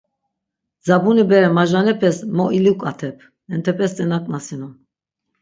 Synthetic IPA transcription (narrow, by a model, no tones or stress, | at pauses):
d͡zabunibɛɾɛmaʒanɛpʰɛsmɔʔilukʼat̪ʰɛpʰ | ɛnt̪ʰɛpʰɛst̪ʼɛnakʼnasinɔ